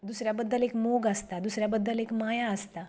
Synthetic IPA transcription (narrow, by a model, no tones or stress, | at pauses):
d̪usɾjabəd̪ːəlekmoɡəst̪ad̪usɾjabəd̪ːəlekmajaəst̪a